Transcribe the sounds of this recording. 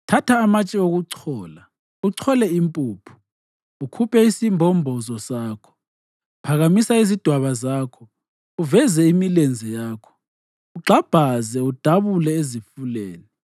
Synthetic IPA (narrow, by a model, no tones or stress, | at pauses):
tʰatʰaːmat͡ʃʼɛoɣuǀʰɔːla | uǀʰɔlɛimpʼuːpʰu̥ | ukʰupʰɛisimbʱɔmbʱɔzɔsaːkʰɔ̥ | pʰaɣamisaizid̥ʱwaβazaːkʰɔ | uvɛzɛimilend͡zʱɛjaːkʰɔ̥ | uɡ͡ǀʱab̥ʱazɛud̥ʱaβulɛezifuleːni